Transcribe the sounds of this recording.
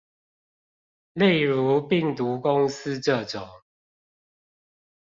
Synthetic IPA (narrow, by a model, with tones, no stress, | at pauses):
le˥˨ɪɻu˨˦pi˥˨ŋt̪u˨˦ko˦ŋsɨ˦ʈ͡ʂə˥˨ʈ͡ʂɔ˨˩ŋ